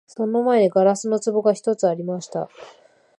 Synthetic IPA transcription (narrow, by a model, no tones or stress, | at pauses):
so̞no̞maeɡaɾasɨno̞t͡sɨbo̞ɡaçi̥t̪o̞t͡sɨaɾʲimaɕi̥t̪a̰